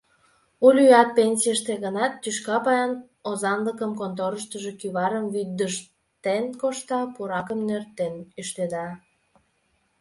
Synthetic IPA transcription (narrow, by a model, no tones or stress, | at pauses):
ulʲyɑt̪̚penʲsʲijəʃt̪eɣənɑt̪ːyʃkɑpɑjɑn | ozɑnləkəmkont̪oɾəʃt̪əʒekyβɑɾəmβyd̪əʃ | t̪enkoʃt̪ɑpuɾɑkəmnørt̪enyʃt̪ed̪ɑ